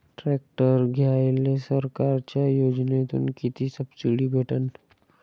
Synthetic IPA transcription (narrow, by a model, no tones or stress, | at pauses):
ʈɾeːk̚ʈəɾɡʱjaːjlesəɾkaːɾt͡ʃajoːd͡ʒnet̪ʊ̰nkit̪isəbsɪɽibʱeːʈən